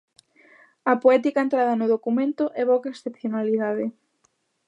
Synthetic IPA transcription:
ɐpoɛt̪ikaent̪ɾaðɐnʊðokumẽnt̪ʊʔɛβowkaesθepθjonaliðaðɪ

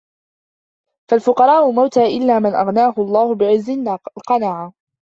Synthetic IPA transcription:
falfʊqɑɾˤɑːʔʊmawt̪aːʔɪlːaːmɪnʔa̰ɣnaːɦʊlˤːɑːhʊbɪʕɪzːɪnlqɑnaːʕa

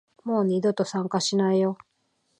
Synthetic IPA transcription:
mo̞ːɲʲid̪o̞t̪o̞sãŋkaɕinaijo̞

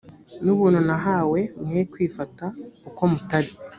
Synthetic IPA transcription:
nuβuːnhunaɦaːwe̞mŋekwiːfatauko̞mutaɾi

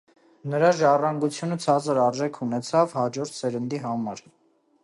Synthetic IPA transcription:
nəɾɑʒɑrɑŋɡut͡sʰjunət͡sʰɑd͡zəɾɑɾʒɛkʰunɛt͡sʰɑvhɑd͡ʒɔɾt̪ʰsɛɾənd̪iɦɑmɑɾ

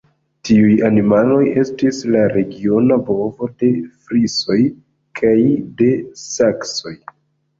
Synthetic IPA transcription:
tiujanimalo̞je̞stislaɾe̞ɡio̞nabo̞vo̞de̞fɾiso̞j | kʰajde̞sakso̞j

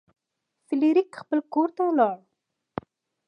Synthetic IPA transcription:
fɪliɾikxpəlkoɾt̪alɑɽ

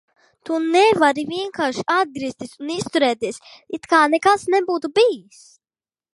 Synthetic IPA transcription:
t̪unɛvaɾiviɛŋkaːɾʃiad̪̚ɡɾiːst̪isunist̪uɾɛːt̪iɛsit̪kaːnɛkasnɛbuːt̪ubijis

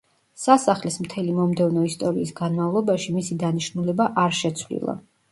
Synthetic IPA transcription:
sasaχlismt̪ʰɛlimɔmd̪ɛvnɔist̪ʼɔɾiːsɡanmavlˠɔbaʃimisid̪aniʃnulɛbaʔaɾʃɛt̪sʰvlḭlˠa̰

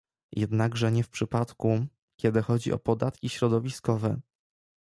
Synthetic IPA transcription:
jʔɛd̪naɡʐɛɲɛfpʂɘpat̪ku | kʲɛd̪ɘxɔd͡ʑḭʔɔ̰pɔd̪at̪kʲiɕɾɔd̪ɔvʲiskɔvɛ

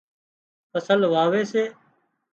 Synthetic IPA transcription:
pəsəlʋaːʋeːseː

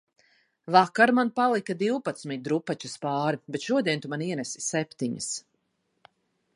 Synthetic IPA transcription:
vakaɾmanpalˠikad̪iwpat̪smit̪̚d̪ɾupat͡ʃuspaːɾibɛt̪ʃuɔd̪iɛnt̪umaniɛnɛsi̥sɛpʲt̪iɲə̰s

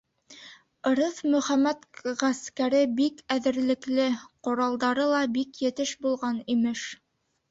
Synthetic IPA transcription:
ɤ̆ɾɤfmɵ̆χæmæt̪ʁæskæɾɘbikæðɘ̆ɾlɘ̆klɘqŏɾɑlˠd̪ɑɾɤlˠɑbikjɘ̆t̪ɘʃbulˠʁɑnimɘʃ

